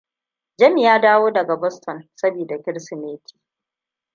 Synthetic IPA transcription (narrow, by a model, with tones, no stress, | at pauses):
d͡ʒɐ˦mi˨jaː˦daː˦woː˦dɐ˨ɡa˨bɔ˦stʰɔ˨nsɐ˦biː˨da˨kʲɪ˦ɽsi˨meː˦tʰi̥ː˨